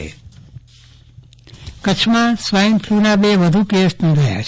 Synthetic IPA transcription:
kət͡ʃʰmãsʋaimpʰlunabeʋəd̪ʱukesnũɾəɦja̰t͡ʃ

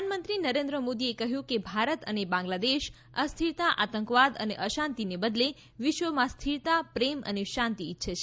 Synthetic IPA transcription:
anmənt̪ɾinəɾẽnd̪ɾəmod̪iekəɦjũkebʱaɾət̪ənebãŋɡlad̪eʃ | ast̪ʰiɾt̪aʔat̪əŋkʋad̪ə̰neʔəʃãnt̪inebəd̪le | ʋɪʃʋəmãst̪ʰiɾt̪apɾemə̰neʃãnt̪iːtːʃʰat͡ʃʰe

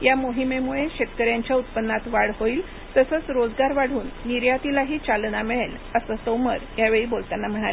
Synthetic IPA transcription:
jamoɦimemuɭeɕet̪kəɾjaɲt͡ɕjaut̪̚pənːat̪ʋaɽɦoiːl | t̪əsəːt͡sɾod͡zɡaɾʋaɽ̤uːnːiɾjat̪ilaɦiːt͡ɕalnamiɭel | əsəsomə̰ɾjaʋeɭiːbolt̪anːam̤əɽ̃al

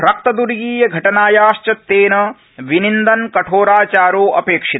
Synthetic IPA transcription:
ɾɐk̚t̪ɐd̪uɾɡiːjɐɡʱɐʈɐnaːjaːʃt͡ʃɐt̪ːeːnɐ | ʋinind̪ɐnkɐʈʰoːɾaːt͡ʃaːɾoːʔɐpeːkʂit̪ɐ

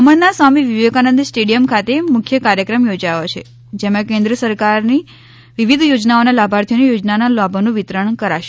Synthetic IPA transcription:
əməɭnasʋamiʋiʋjekanənd̪sʈeɽijəmkʰat̪emʊkʰːjəkaɾjəkɾəmjod͡ʒajot͡ʃʰḛ | d͡ʒemãkẽnd̪ɾəsəɾkaɾni | ʋiʋid̪ʱjod͡ʒnaonalabʱaɾt̪ʰijonijod͡ʒnanalabʱənũʋit̪ɾəɳkəɾaʃe

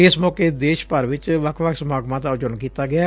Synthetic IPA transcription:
ɪsmɔːkeːd̪eːʃpəɾʋɪt͡ʃʋəkʰʋəksmaːɡmãːd̪aːʊd͡ʒʊɳkiːt̪aːɡɪjaː

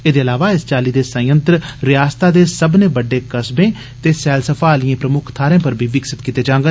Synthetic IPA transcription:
eːd̪eːəlaːʋaːɪst͡ʃaːliːd̪eːsə̃jə̃nt̪ɾɾɪjaːst̪aːd̪eːsəbnẽːbəɖːeːkəsbẽː | t̪eːsɛːlsəfʰaːliẽːpɾəmʊkʰt̪ʰaːɾẽːpəɾbʱiːʋɪksɪt̪kiːt̪eːd͡ʒãːŋɡə

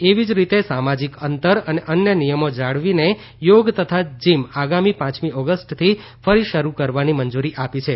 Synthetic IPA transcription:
eʋid͡ʒɾit̪esamad͡ʒikənt̪əɾəneʔənjənijəmod͡ʒaɽʋine | joɡt̪ət̪ʰad͡ʒimaɡamipãt͡ʃmiʔɔɡəsʈt̪ʰi | fəɾiʃəɾukəɾʋanimənd͡ʒuɾiʔapit͡ʃʰe

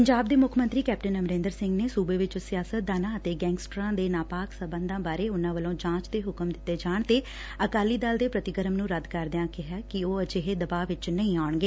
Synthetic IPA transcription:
pəɲd͡ʒaːb̚d̪eːmʊkʰmənt̪ɾiːkɛːp̚ʈənəmɾẽːnd̪əɾsɪ̃ŋɡneːsuːbeːʋɪt͡ʃsɪjaːsət̪̚d̪aːnãːət̪eːɡɛ̃ːŋsʈɾãːd̪eːnaːpaːksəbə̃nd̪ãːbaːɾeːʊnãːʋəlõːd͡ʒãːt͡ʃd̪eːɦʊkəmd̪ɪt̪ːeːd͡ʒaːɳt̪eː | əkaːliːd̪aːld̪eːpɾət̪ɪɡəɾəmnũːɾəd̪kəɾd̪ɪãːkɪɦaːkɪoːəd͡ʒɪɦeːd̪əbaːʋɪt͡ʃnəĩːaːɳɡeː

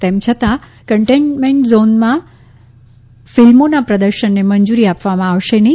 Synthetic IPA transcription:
t̪emt͡ʃʰət̪a | kəɳʈeɳʈmeɳʈzonmã | filmonapɾəd̪əɾʃənːeməɲd͡ʒuɾiapʋamãaʋʃenəɦĩ

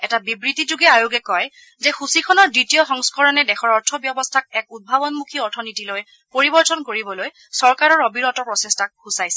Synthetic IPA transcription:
ɛtabibɹitid͡ʒuɡɛajuɡɛkɔj | zɛxusikʰɔnɔɹditijɔxɔŋskɔɹɔnɛdɛxɔɹɔɹtʰɔbjɔbɔstʰak̚ɛk̚ud̚bʱabɔnmukʰiɔɹtʰɔnitiloj | poɹibɔɹtɔnkoɹibɔloj | sɔɹkaɹɔɹobiɹɔtɔpɹɔsestak̚husajsɛ

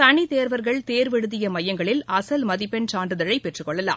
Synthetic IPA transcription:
t̪ɐɳit̪eːɾʋɐɾɣɐɭt̪eːɾʋɛɻɯðɪjɐmɐjɐŋɡɐɭɪlɐsɐlmɐðɪpːɛnt͡ʃaːɳɖɯðɐɻɐɪpɛʈrɯkɔɭːɐla̰ːm

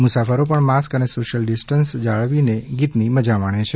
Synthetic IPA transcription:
mʊsafəɾopəɳmaskənesoʃəlɖisʈənsd͡ʒaɭʋineɡit̪niməd͡ʒamaɳ̃et͡ʃʰe

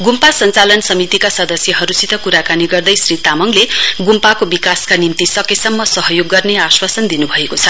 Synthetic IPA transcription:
ɡumpasʌnt͡salʌnsʌmit̪ikasʌd̪ʌsjʌɦʌɾusit̪ʌkuɾakaniɡʌrd̪ʌjsrit̪amʌŋleɡumpakobikaskanimt̪isʌkesʌmːʌsʌɦʌjoɡːʌrneaswasʌnd̪inubʱʌekot͡sʰʌ

